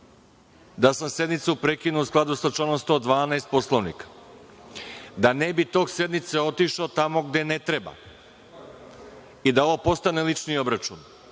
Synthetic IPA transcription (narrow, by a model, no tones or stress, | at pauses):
d̪asamse̞d̪nit̪supɾekinuusklˠad̪usat͡ʃlanomst̪od̪ʋaːnaest̪̚po̞slˠoʋnḭkḁ | d̪anebit̪o̞ːɡse̞d̪nit̪seo̞t̪iʃaot̪amo̞ɡd̪e̞ne̞t̪ɾeba̰ | id̪ao̞ʋopo̞st̪ane̞lit͡ʃnio̞bɾat͡ʃun